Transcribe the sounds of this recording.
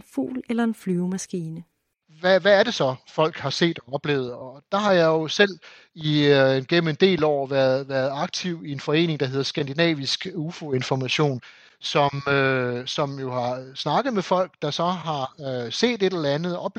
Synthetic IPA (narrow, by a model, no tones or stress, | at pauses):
nfṵːlelɐenflyʊmæsɡ̥iːnə | ʋæʋæːɐɾe̝sɒ̽fɒ̽l̰ɡ̥hɑ̈se̝̰ːd̥ɒ̽ɒ̽b̥le̝ːʊð̞̩ˠɒ̽d̥ɑ̈ɦɑ̈jɑ̈jo̝sel̰ | ienɡ̥enm̩e̝nd̥e̝̰ːlɒ̰ʊ̰ɐʋæɐðˠʋæːɐð̞̩ˠɑ̈ɡ̥̚t͡sʰiʊ̰ie̝nfɒ̽e̝̰ːne̝ŋd̥ɑ̈ɦe̝ð̞̰ˠɐsɡ̥ænd̥inɛ̰ːʋisɡ̥ufo̝e̝nfɒmæɕo̝̰ːn | sɒ̽møsɒ̽mjo̝hɑ̈snɑ̈ɡ̥əð̞̩ˠmefɒ̽l̰ɡ̥d̥ɑ̈sɒ̽ɦɑ̈se̝̰ːd̥e̝ɾ̥elɐænð̞̩ˠɒ̽b̥